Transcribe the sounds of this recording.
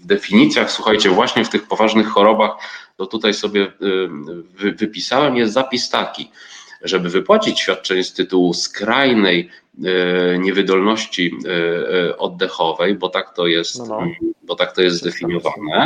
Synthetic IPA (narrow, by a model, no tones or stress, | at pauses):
vd̪ɛfʲiɲit̪sʲjaxswuxajt͡ɕɛvwaɕɲɛft̪ɘxpɔvaʐnɘxːɔɾɔbaxt̪ɔt̪ut̪ajsɔbʲjɛ | vvɘpʲisawɛmjɛszapʲist̪akʲiʐɛbɘvɘpwat͡ɕit͡ɕɕfʲjat̪̚t͡ʂɛɲɛst̪ɘt̪uwuskɾajnɛj | ɲɛvɘd̪ɔlnɔɕt͡ɕi | ɔd̪ːɛxɔvɛjbɔt̪akt̪ɔjɛstt̪bɔt̪ak̚t̪ɔjɛszd̪ɛfʲiɲɔvanɛ